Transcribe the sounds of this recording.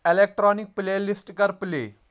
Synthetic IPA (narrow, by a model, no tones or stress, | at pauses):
elek̚ʈɾɔnik̚plelisʈkəɾplḛ